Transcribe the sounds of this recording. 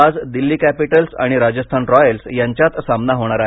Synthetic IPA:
ad͡zd̪ilːiːkæpiʈəlsa̰ɽ̃iɾad͡ʑəst̪ʰanɾɔjəlsjaɲt͡ɕjat̪samnaɦoɽ̃aɾaɦe

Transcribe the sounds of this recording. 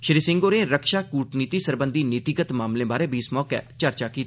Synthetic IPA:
ʃɾiːsɪ̃ŋɡoːɾẽːɾəkʃaːkuːʈniːt̪iːsəɾbənd̪iːnɪt̪ikət̪maːmlẽːbaːɾeːbʱiːɪsmɔːkɛ̰ːt͡ʃəɾt͡ʃaːkiːt̪ː

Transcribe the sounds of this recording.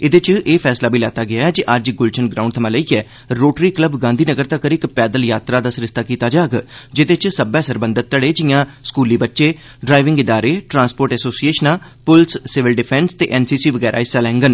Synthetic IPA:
ɪd̪et͡ʃʔeːpʰɛːslaːbʱiːlaːt̪aːɡɪaːɦɛːd͡ʒiʔəd͡ʒɡʊlt͡ʃʰənɡɾaːʊ̃ɳɖt̪ʰəmãːləiːɛː | ɾoːʈɾiːkləbɡãːnd̪ʱiːnəɡəɾt̪akəɾikpɛːd̪əljaːt̪ɾaːd̪aːsɾɪst̪aːkiːt̪aːd͡ʒaːɡd͡ʒɪd̪et͡ʃsəbɛ̃ːsəɾbə̃nd̪ət̪̚ːəɽeːd͡ʒɪãːskuːliːbətːʃeː | ɖɾaːɪʋɪ̃ŋɡɪd̪aːɾeːʈɾãːnspoːɾʈɛːsoːsieːʃənaː | pʊlsːɪʋɪlɖɪpʰɛːnst̪eːʔɛːnsiːsiːʋəɡɛːɾʔa̰ːɪsalɛ̃ːŋɡən

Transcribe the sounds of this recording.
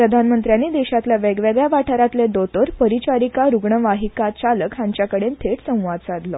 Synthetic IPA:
pɾəd̪ʱanmənt̪ɾjanːiːd̪eɕat̪laʋɛɡʋeɡɭjaʋaʈʰaɾat̪led̪ot̪əɾpəɾit͡ɕaɾikaɾuɡɳəʋaɦikat͡ɕaləkɦãɲt͡ɕjakəɽent̪ʰeʈsə̃w̃ʋad̪̚t͡sad̪lɔ

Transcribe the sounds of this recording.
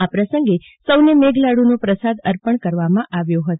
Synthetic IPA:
apɾəsəŋɡe | səwnemeɡlaɽunopɾəsad̪əɾpəɳkəɾʋamãʔaʋjoɦət̪

